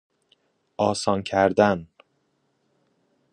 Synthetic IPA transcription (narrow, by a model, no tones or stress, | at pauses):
ɒːsɒːncʰæɾd̪æn